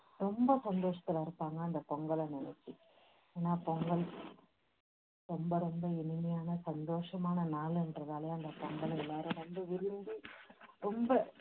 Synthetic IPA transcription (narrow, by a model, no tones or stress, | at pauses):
ɾɔmbɐsɐnd̪oːʂɐt̪ːɪlɪɾɯpːaːŋɡɐɐnd̪ɐpɔŋɡɐɭɐnɪnɛt͡ʃːi | eːnːaːpɔŋɡɐɭ | ɾɔmbɐɾɔmbɐɪnɪmɐjaːnɐsɐnd̪oːʂɐmaːnɐnaːlɛnrɐðaːlɐjaɐnd̪ɐpɔŋɡɐɭɐɪlːaːɾɯʋɐnd̪ɯʋɪɾɯnd̪iɾɔmbɐ